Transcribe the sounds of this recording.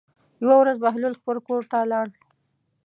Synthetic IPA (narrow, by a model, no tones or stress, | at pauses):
jwawɾazbaɦlulxpəɾkoɾt̪alɑɽ